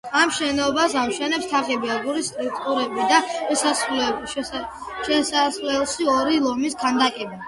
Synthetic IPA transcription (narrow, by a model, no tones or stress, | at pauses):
amʃɛnɔbas̬amʃɛnɛpst̪ʰaʁɛbiaɡuɾist̪ʼɾuk̚ʰʼt̪ʼuɾɛbid̪aɛsasl | ʃɛsaslɛlˠʃiɔɾilˠɔmiskʰand̪akʼɛbi